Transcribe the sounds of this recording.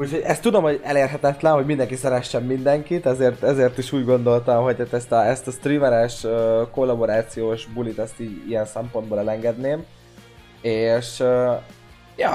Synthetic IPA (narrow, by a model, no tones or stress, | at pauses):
ucho̞ɟɛst̪ːud̪o̞mho̞ɟɛleːrɦɛt̪ɛt̪lɛnɦo̞ɟmind̪ɛŋkisɛɾɛʃːɛmːind̪ɛŋkit̪ɛzeːrt̪ɛzeːrt̪iʃuːɟɡo̞nd̪o̞lt̪ɒmɦoc̚t̪aːt̪ɛst̪ɒɛst̪ɒst̪rimɛɾɛʃøko̞lːɒbo̞ɾaːt̪sijoːʃbulit̪ɛst̪iːɟḭjɛnsɛmpo̞nd̪boːlɛlɛŋɡɛd̪neːm | eːʃø | jɒ